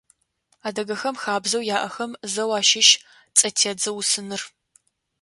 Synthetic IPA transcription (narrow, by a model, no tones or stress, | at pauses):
aːdɐɡɐxɐmxaːbzɐwjaːʔɐxɐmzɐwaːʃɪʃ | t͡sʼɐtʰeːd͡zɐwsɨnɨr